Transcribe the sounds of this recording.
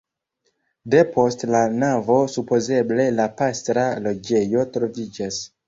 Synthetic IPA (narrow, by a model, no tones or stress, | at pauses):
de̞pʰo̞stlanavo̞supo̞ze̞ble̞lapastɾalo̞d͡ʒe̞jo̞tɾo̞vid͡ʒas